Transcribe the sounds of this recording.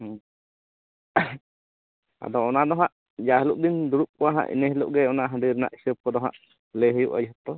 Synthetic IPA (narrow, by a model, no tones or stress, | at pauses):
a̰d̪ɔɔnad̪ɔɦaʔ | d͡ʒaɦəluʔ̚d̪ind̪uɾuʔ̚kɔwaɦa̰ʔḭnəɦluʔɡɛɔnaʔɦəɖiɾɛna̰ʔi̥səp̚kɔd̪ɔɦa̰ʔ | leɦəjuʔa̰d͡ʒɦɔt̪ɔ